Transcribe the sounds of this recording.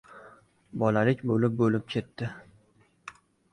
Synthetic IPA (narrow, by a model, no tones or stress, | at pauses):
bɒlalɪkʲbolɪp̚bolɪp̚kʲʰe̞t̪ːɪ